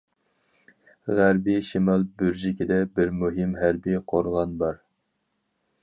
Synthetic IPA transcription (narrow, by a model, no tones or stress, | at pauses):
ʁæɾbiʃimɑlˠbyɾd͡ʒikʲʰid̪ɛbɪɾmuɦɪmɦæɾbiqʰoɾʁɑnbɑɾ